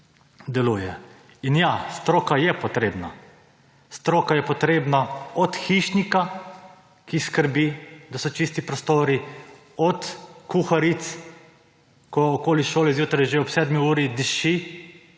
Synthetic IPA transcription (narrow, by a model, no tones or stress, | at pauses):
d̪ɛluːjɛ | injast̪ɾoːkajɛpɔt̪ɾeːbna̰ | st̪ɾoːkajɛpɔt̪ɾeːbnaɔt̪xiʃnika | kiskəɾbid̪asɔt͡ʃist̪ipɾɔst̪oːɾi | ɔt̪kuxaɾit̪s | kɔɔkoːliʃoːlizjuːt̪ɾajʒeɔpsɛd̪miuːɾid̪iʃi